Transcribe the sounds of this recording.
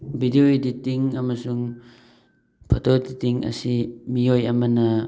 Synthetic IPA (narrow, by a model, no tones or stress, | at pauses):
bʱidioiditiŋɐmɐsuŋ | pʰɔtʰoditiŋɐ̰simiojɐmɐnɐ